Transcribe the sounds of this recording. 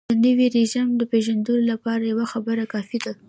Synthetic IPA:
d̪ənəwiɾeʒamd̪əpeʒand̪əlolapɑɾajawaxabəɾakɑfid̪a

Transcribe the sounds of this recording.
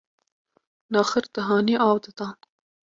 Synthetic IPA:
nɑːxɪɾt̪aɦɑːniʔɑwd̪at̪ɑːn

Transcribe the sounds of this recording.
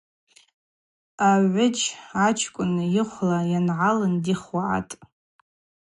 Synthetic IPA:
aʕʷʊt͡ʃat͡ʃʰkʷʼʊnɨjɪχʷlajanʕalɨndiχaʕa̰tʼ

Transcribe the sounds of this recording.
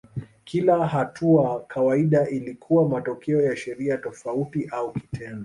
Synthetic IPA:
kʰilaɦatʰuakʰawaiɗaʔilikʰuwamatɔkɛɔjaʃɛɾiatɔfautiʔauki̥tʰɛndɔ

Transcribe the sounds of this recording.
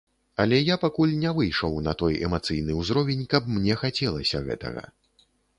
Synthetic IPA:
ɐlʲɛjapakulʲnʲɛvɨjʂɔwnɐt̪ɔjɛ̰mat̪sɨjnɨwzɾɔvʲɛnʲkɐp̚mnʲɛxat͡sʲɛlˠɐsʲɐɣɛ̰t̪ɐ̰ɣɐ̰

